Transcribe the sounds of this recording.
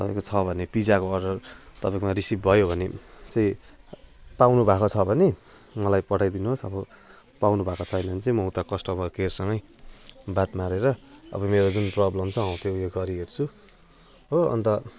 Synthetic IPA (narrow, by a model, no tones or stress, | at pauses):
t̪ʌpaĩkot͡sʰʌbʱʌnepid͡zakoʌrɖʌrt̪ʌpaĩkomaɾisip̚bʱʌjobʱʌnet͡sʌĩ | pawnubʱakot͡sʰʌbʱʌne | mʌlajpʌʈʰajd̪inuɦosʌbʌ | pawnubʱakot͡sʰʌjnʌnt͡sʌĩmʌɦut̪akʌsʈʌbʌkersʌŋɡʌjbat̪maɾeɾʌʌ̰bʌmeɾod͡zunprʌblʌmt͡sʰʌɦʌwt̪ʰjojeɡʌɾiɡert͡sʰu | oʌ̰nt̪ʌ